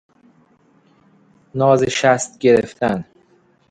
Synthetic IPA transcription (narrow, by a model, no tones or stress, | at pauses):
nɒːzeʃæst̪ɟe̞ɾeft̪ʰæn